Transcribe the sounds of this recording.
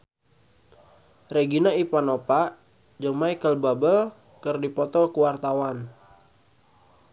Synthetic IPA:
reɡinaipanopaʔ | d͡ʒəŋmaikəlbabəl | kərdipɔt̪ɔlkuwart̪awan

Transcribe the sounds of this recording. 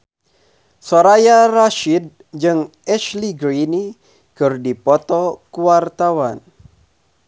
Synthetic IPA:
soɾajaraʃid̚ | d͡ʒɨŋʔɛʃliɡɾini | kɨrdipɔt̪ɔkuwart̪awan

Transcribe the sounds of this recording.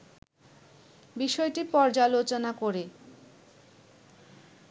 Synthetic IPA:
biʃɔeʈipɔɾd͡ʑalot͡ɕonakoɾe

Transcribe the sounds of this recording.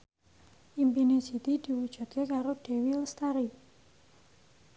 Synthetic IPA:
ʔimpine̥d͡ʒi̤t̪id̪̥i̤wud̥ʒ̥ṳt̪̚kekaɾoɖ̪̥e̤wilst̪aɾi

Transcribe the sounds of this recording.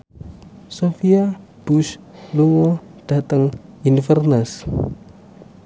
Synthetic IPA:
sofia | b̥usluŋɔd̥a̤t̪əŋinfərnəs

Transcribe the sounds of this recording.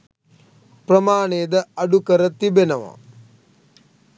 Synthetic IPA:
pɾɐmaːɳeːd̪ɐɐɖukɐɾɐt̪ibenɐʋɐ̰

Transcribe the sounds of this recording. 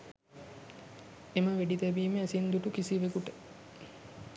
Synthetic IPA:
eməʋeɖit̪æbiːmeæsind̪uʈukisiʋekuʈə

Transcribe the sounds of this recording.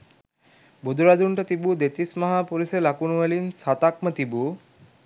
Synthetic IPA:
bud̪ʱuɾad̪uɳʈət̪ibud̪et̪ismaɦaːpuɾiselakunuʋelinsat̪ak̚mət̪ibu

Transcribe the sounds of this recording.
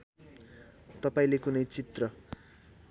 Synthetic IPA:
t̪ʌpaĩlekunʌjt͡sit̪rʌ

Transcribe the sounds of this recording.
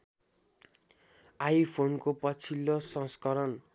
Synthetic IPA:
ajpʰonkopʌt͡sʰilːosʌ̃skʌɾʌn

